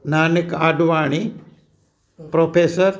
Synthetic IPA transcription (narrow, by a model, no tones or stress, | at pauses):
naːnɪkaːɖʋaːɳ̃i | pɾoːpʰeːsəɾ